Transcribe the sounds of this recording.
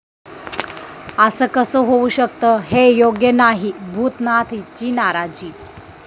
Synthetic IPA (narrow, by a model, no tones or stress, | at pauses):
əsəːkəsəɦouɕək̚t̪əɦejoɡjənaɦibʱuːt̪nat̪ʰit͡ɕiːnaɾad͡ʑiː